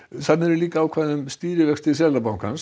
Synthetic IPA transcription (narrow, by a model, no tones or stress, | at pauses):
θannɛɾɪliːkaːwkʰvaːðʏmst̪iːɾɪvɛkst̪ɪsɛlapawnkʰans